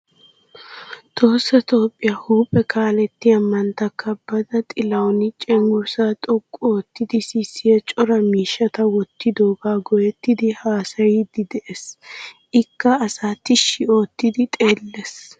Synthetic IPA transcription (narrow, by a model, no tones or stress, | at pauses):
t̪ʰo̞ːsːɐt̪o̞ːpʼːɪjahuːpʼɛkʰaːlɛt̪ːɪɐmːɐnt̪ɐkːɐb̥ɐd̪ɐt̪ʼɪlɐwnɪt͡ʃʼɛŋɡʊɾsat̪ʼɔkʼːoːt̪ːɪd̪ɪsisːɪjɐt͡ʃʼɔɾɐmiːʃːɐt̪ɐwɔt̪ːɪd̪oːɡaːɡɔjɛt̪ːɪd̪ɪhaːsɐjid̪ɪd̪ɛʔesʔɪkːɐːsaːt̪ɪʃːɪo̞ːt̪ːɪd̪ɪt̪ʼe̞ːlːes